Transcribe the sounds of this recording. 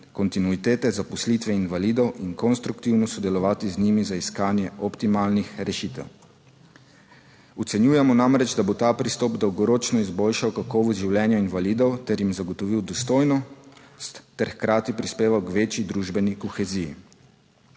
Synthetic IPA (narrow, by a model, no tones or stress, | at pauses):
kɔnt̪inuit̪eːt̪ɛzapɔslit̪ʋɛinʋaliːd̪ɔwinkɔnst̪ɾukt̪iwnɔsɔd̪ɛlɔʋaːt̪iznimizaiskaːnjɛʔɔpt̪imalnixɾɛʃit̪ɛ̰w | ut̪sɛnjuːjɛmɔnamɾɛd͡ʒd̪abot̪aːpɾist̪ɔpd̪ɔwɡɔɾoːt͡ʃnɔizboːlʃawkakɔʋɔzʒiwljɛnjɔinʋaliːd̪ɔwt̪ɛɾjimzaɡɔt̪ɔʋiwd̪ɔst̪oːjnɔ | st̪ɛɾxkɾaːt̪ipɾispeːʋawkʋeːt͡ʃjid̪ɾuːʒbɛnikɔxɛzijḭ